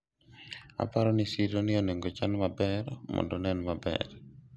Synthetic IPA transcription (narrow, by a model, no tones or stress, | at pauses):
a̰paɾɔnisiɾonɪoneŋɡot͡ʃanmabɛɾmɔ̰ndɔnɛnmabɛ̰r